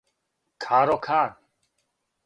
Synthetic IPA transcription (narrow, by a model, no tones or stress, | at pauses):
kʰaːɾɔkʰaːn